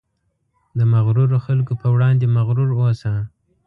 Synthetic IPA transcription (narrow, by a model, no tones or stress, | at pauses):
d̪əmaɣɾuɾoxalkopəwɽɑnd̪emaɣɾuɾosa